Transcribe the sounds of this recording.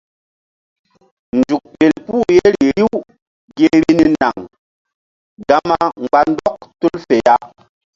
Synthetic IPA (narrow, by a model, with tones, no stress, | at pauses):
nd͡ʒu˨k̚ɓe˨lpu˦˨je˦ɾi˨ɾi˦w | ɡe˦ɾi˦ni˦na˨ŋ | ɡa˦ma˦ŋ͡mɡ͡ba˦ndɔ˦k̚tu˦lfe˨ja˦